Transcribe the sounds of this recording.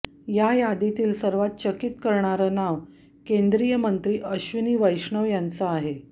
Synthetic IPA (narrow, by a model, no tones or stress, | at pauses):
jajad̪it̪iːlsəɾʋat̪̚t͡ɕəkit̪kəɾɳaɾəːnaʋ | kend̪ɾijəmənt̪ɾiːʔəɕʋiniːʋəjɕɳəʋjant͡səaɦe